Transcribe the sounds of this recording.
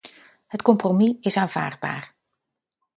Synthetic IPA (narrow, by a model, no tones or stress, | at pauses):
ɦətkɔmpromiɪsaːnv̥a̰ːɹd̚ba̰ːr